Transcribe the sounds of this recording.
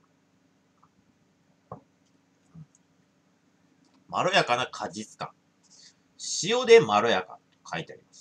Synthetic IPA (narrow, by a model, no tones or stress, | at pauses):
maɾojakanakʰad͡ʑit͡sɨ̥kã̰ŋ | ɕijo̞d̪e̞maɾojaka̰t̪o̥kʰait̪e̞aɾimas